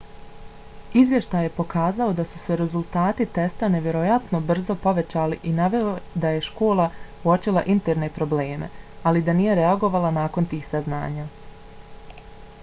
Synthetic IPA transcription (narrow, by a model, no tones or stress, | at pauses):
izʋje̞ʃt̪aːje̞po̞kaːzao̞d̪asuse̞ɾezulˠt̪aːt̪it̪e̞st̪ane̞ʋje̞ɾo̞jat̪no̞br̩zo̞po̞ʋe̞t͡ɕaːliʔinaʋe̞od̪aje̞ʃkoːlˠauot͡ʃilˠa̰ʔint̪eɾne̞pɾo̞bleːmḛ | alid̪anije̞ɾe̞aɡo̞ʋalˠanaːko̞nt̪iːxsazna̰ːɲaː